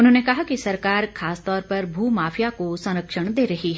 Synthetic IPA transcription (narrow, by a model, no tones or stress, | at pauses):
ʊnɦõːnekɐɦakisɐɾkaːɾkʰaːst̪ɔːɾpɐɾbʱuːmaːfʰjakosɐ̃nɾəkʃəɽ̃d̪eːɾɐɦiɦɛ